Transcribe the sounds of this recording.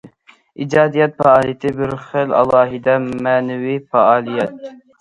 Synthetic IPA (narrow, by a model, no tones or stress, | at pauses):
ḭd͡ʒɑːd̪ijɛt̪̚fɑɑːlˠijet̪ʰɪbɪɾχelɑ̰lˠɑːɦid̪ɑmænɛwifɑɑːlˠijɛt̪̚